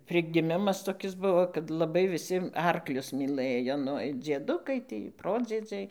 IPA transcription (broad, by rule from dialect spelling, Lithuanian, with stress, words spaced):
pʲrʲɪɡʲɪˈmʲɪmɐs toːˈkʲɪs ˈbʊʋoː kɐt lˠɐˈbɐɪ ʋʲɪˈsʲɪ ˈɐrklʲʊs mʲiːˈlˠɘjoː ˈnʊ ɪr d͡zʲiɛˈdʊkɐɪ ˈtʲiː ˈproːd͡zʲiɛd͡zʲɛɪ